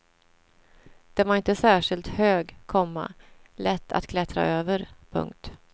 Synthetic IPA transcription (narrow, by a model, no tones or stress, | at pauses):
d̪̥ɛvaɾɪnt̪əsæːʂɪlt̪høːɡkʰɔmːa̰lɛt̪ʰːa̰t̪kʰlɛt̪ɾa̰ʔøːvəɾpʰɵ̰ŋk̚t̪